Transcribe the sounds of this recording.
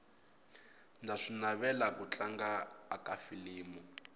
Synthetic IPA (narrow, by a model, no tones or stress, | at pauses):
ndʱaʂinaβɛlakut͡ɬaŋɡaːkafiliːmu